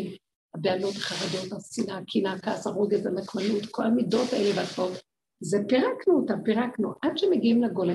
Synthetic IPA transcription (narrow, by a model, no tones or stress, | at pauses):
habealo̞t̪ḁχaʁad̪o̞thasinakʰinakasaʁoɡezalakmalut̪kʰo̞lamido̞thaelevaatbot̪ | zepeʁaknut̪apiʁaknuʔadʃemeɡiimlaɡole